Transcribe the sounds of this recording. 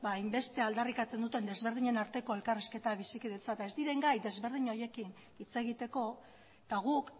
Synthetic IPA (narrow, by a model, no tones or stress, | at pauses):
baːjmbe̞st̪e̞ald̪arikat͡se̞nd̪ut̪e̞nd̪e̞zβe̞ɾð̞iɲe̞naɾt̪e̞ko̞e̞lkariske̞t̪aβisikiðet͡sat̪aed̪iɾe̞ŋɡajd̪e̞zβe̞ɾð̞iɲo̞je̞kin | it͡se̞ɣ̞it̪e̞ko̞ | t̪aɣ̞uk